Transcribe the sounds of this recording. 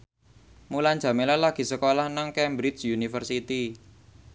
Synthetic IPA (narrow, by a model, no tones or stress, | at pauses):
mulan̥d͡ʒ̥ä̤melalaɡ̥i̤səkolahnaŋkɛmbɾit͡ʃjunifərsit̪i